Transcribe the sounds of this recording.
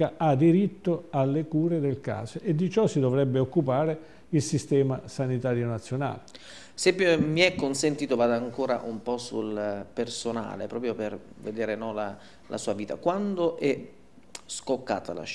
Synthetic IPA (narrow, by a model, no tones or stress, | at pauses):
aad̪iɾit̪ːoalːekuːɾed̪elka̰ːzoʔed̪ːit͡ʃɔsid̪ovɾɛbːeokːupaːɾe | ilsist̪ɛːmasanit̪aːɾjonat̪sːjona̰ːle | sɛpːmiɛkːonsent̪iːt̪ovaːd̪aaŋkoːɾa̰ʔumpɔsṵlpersona̰ːlḛpɾɔːpɾjoper | ved̪eːɾenɔla | lʔa̰suːaviːt̪a̰kwand̪oʔɛ | skokːa̰ːt̪a̰la̰